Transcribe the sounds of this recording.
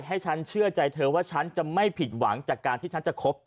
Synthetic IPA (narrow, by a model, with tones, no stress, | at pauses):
k̚ɦa˥˩jt͡ɕʰa˦˥nt͡ɕʰɯ˥˩ət͡ɕa˧jt̪ʰɤː˧waː˥˩t͡ɕʰa˦˥nt͡ɕa˨˩ma˥˩jpʰi˨˩t̪̚wa˩˦ŋt͡ɕaː˨˩kːaː˧nt̪ʰiː˥˩t͡ɕʰa˦˥nt͡ɕa˨˩kʰo˦˥p̚